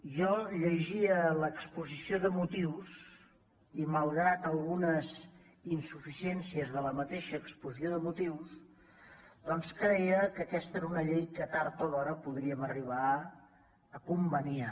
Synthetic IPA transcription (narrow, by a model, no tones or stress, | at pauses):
ʒɔʎəʒiələkspuzisioðəmut̪iws | iməlˠɣɾat̪əlˠɣunəz | insufisiɛnsiəzðələmət̪eʃəːkspuzioðəmut̪iws | d̪ɔnskɾəiəkəkɛst̪əɛɾunəʎejkət̪aɾt̪oðɔɾəpuðɾiəməriβ̞a | əkumbənia